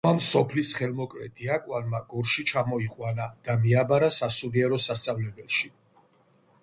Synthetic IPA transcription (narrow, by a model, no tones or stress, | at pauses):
amsɔpʰlisχɛlmɔkʼlɛd̪iakʼwanmaɡɔɾʃit͡ʃʰamɔiqʼwanad̪̥amiabaɾasasuliɛɾɔsast̪sʼavlɛbɛlˠʃi